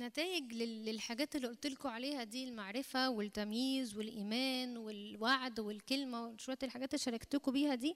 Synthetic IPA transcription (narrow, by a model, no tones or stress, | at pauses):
næt̪æːjeɡleːelħaɡæːt̪elːiʔolt̪elkoʕaleːhæd̪iːlmaʕɾefæwelt̪ːæmjiːzwelʔiːmæːnwelwaʕd̪welkelmæwenʃuwt̪elħaɡæːt̪elːʃɑɾˤɑkt̪ekobiːhæd̪iː